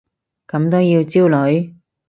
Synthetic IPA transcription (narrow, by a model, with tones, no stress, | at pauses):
kɐ˨˧˥mt̪o˥wjiː˧wt͡siː˥wlɵ˨˥ɥ